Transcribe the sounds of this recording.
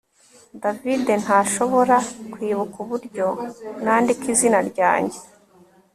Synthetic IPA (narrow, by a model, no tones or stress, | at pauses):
davide̞n̥haːʃo̞βo̞ɾakwiːβukuβuɾɟo̞naːndikizinaɾɟa̰ːɲɟe̞